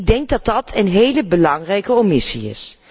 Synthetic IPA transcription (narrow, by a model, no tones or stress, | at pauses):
ɡ̚dɛŋɡ̚dɑd̚dɑtʰənɦejləbəlɑŋrɛjkəomisḭɪ̰s